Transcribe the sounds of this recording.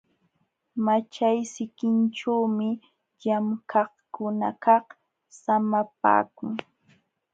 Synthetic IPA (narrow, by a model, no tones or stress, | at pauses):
mat͡ʃajsɪkɪnʈ͡ʂawmɪ | ʎamkʰɑχkʊna̰kɑχ | samap̚a̰ːkʊŋ